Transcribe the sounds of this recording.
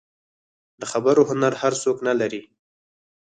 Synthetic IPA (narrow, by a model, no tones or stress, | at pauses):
d̪əxabəɾoɦʊnaɾhaɾsoknalaɾi